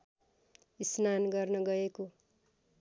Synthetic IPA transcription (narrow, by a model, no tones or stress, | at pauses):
isnanɡʌrnʌɡʌeko